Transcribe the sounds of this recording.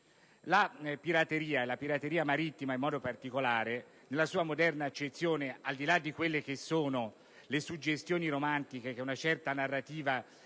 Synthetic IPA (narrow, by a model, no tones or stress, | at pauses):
lapiɾat̪eɾiːaelapiɾat̪ːeɾiːamaɾit̪ːimaimːɔːd̪opart̪ikolaːɾe | nelːasuːamod̪ɛrnat͡ʃːet̪sːjoːneald̪ilad̪ːikwelːek̟esːoːno | lesud͡ʒːest̪joːniɾomant̪ik̟ekeunat͡ʃɛrt̪anarːat̪iːva